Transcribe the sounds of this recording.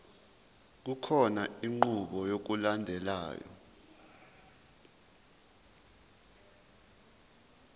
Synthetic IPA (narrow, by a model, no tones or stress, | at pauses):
k̬ukʰɔnaiŋ͡ǃuɓɔjok̬ulandʱɛla̰ːjɔ̰